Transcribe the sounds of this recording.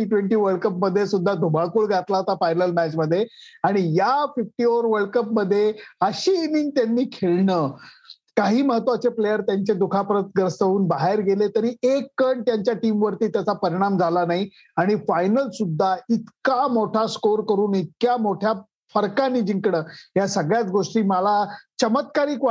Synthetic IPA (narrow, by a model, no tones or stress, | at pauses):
iʈʋeɳʈiːʋəɭkəpməd̪ʱːjesud̪ʱːad̪ʱubʱaɭkuːɭɡʱat̪laot̪afajnəlmæt͡ɕməd̪ʱːjeaɽ̃ijafifʈioɾʋəɭkəpməd̪ʱːjeəɕiːniŋɡ̚t̪janːiːkʰeɭɳəː | kaɦiːməɦət̪ʋat͡ɕeplejəɾt̪jaɲt͡ɕed̪ukʰapəɾət̪̚ɡəɾsəʋuːnbaɦeɾɡelet̪əɾiːekːəɳt̪jaɲt͡ɕjaʈiːmʋəɾt̪iːt̪jat͡sapəɾiɽ̃amd͡zʱalanaɦi | aɽ̃ifajnəlsud̪ʱːait̪kamoʈʰaskoɾkəɾuːnit̪̚kjamoʈʰja | fəɾkanːiːd͡ʑiŋkɽəːɦjasəɡɭjat͡sɡoʂʈiːməlat͡ɕəmət̪kaɾiːk